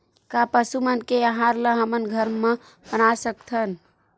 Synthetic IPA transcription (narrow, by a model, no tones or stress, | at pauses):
kapəsumənkeəɦaɾlə̃ɦəmənɡʱəɾmə̃ | bənasək̚t̪ʰən